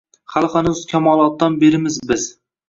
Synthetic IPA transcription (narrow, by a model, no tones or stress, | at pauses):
χalˠχɑnɪzkʲʰamɒlˠɒt̪̚ːɑnbeɾɪmɪzbɪz̥